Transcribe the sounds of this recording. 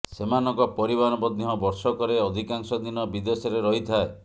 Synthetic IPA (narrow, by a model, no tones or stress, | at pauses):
semanɔŋkɔpɔɾibanɔbɔd̪iɦɔbɔɾsɔkɔɾeɔd̪ʱikaŋsɔd̪inɔbid̪esɔɾeɾɔɦit̪ʰae